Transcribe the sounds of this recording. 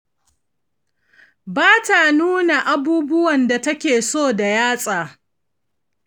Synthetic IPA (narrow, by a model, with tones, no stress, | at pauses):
baː˦ta˨nuː˦na˨ʔa˨buː˦bʊ˦wɐ˨nda˨tɐ˦kʲeː˨soː˦˨da˨jaː˦sʼaː˨